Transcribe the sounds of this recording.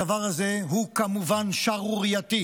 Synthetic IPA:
avaʁhazeɦukamuvanʃaʁuʁjat̪i

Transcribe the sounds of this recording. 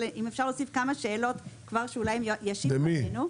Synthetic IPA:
eʔimefʃaʁlosifkamaʃeːlo̞tkvaʁʃeulajmjjaʃid̪eminu

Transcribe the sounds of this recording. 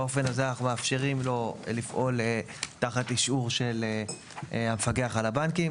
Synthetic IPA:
o̞fe̞nazeanaχumeafʃeʁimlo̞lifʔo̞l | taχat̪iʃuʁʃe̞le | hamefaɡeaχalabankim

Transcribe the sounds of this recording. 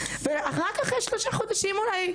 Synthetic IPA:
veaχakaχjeʃloʃaχod̪aʃimulaj

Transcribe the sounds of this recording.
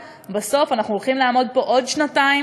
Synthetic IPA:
baso̞fanaχnuolχimlaːmo̞d̚po̞ʔo̞dʃnatai

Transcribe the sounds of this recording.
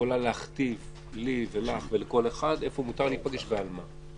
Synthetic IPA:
olaleaχt̪iv | livelaχve̞leko̞le̞χad̪e̞fo̞mut̪aʁlit̚paɡeʃvealma

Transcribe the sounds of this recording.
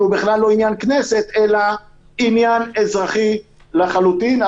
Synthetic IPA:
ubiχlalːo̞injankneset̪ela | injanezʁaχi | leχalut̪ina

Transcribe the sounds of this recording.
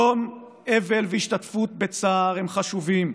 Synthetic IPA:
om | evelveiʃt̪at̪fut̪̚bet͡saːʁemχaʃuvim

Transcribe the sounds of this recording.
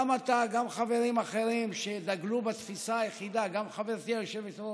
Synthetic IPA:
mat̪aɡamχave̞ʁimaχeʁimʃe̞d̪aɡlubat̪fisaːjeχid̪aɡamχaveʁt̪iaʃeveso

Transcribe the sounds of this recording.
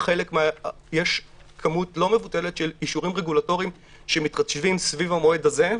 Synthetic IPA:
χe̞lekmea | je̞ʃ | kʰamutlo̞me̞vute̞le̞tʃe̞liʃuʁimʁeɡulato̞ʁim | ʃemitʁaʃvimsvivamoedaze̞

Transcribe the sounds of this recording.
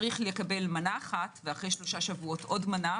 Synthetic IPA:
ʁiχlekabe̞lmanaːχatveaχʁe̞jʃlo̞ʃaʃavuo̞tʔo̞dmana

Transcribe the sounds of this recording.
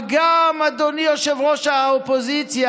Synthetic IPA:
ɡamad̪onijoʃevʁoʃaaopozit͡sja

